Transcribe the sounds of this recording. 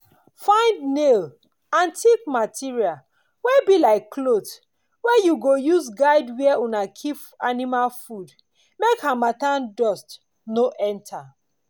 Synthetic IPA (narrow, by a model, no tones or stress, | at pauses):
fãɪ̃ndnel | ãntʰik̚matʰiɹial | wɛbilaɪkːlot | wɛjuɡojuzɡaɪdwiɛunakʰip | animalfud | mekhamatãndɔst | noʔɛ̃ntʰa